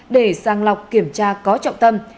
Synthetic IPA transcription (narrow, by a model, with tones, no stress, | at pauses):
ɗe˧˩zaː˧˩ŋla˨˩wk͡p̚ki˧˩əmt͡ɕaː˧kɔ˨˦t͡ɕɔ̰˧˨wŋ͡mt̪ə˧m